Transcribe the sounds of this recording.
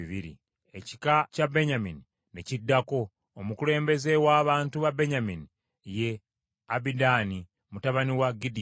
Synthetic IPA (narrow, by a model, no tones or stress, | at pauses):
βiɾḭ | e̞ci̥kacabe̞ɲamini | necidːako̞ː | mukule̞ːmbe̞ze̞waːβaːntuβabeɲamini | je̞ | abidaːni | mutaβaniwaɡidi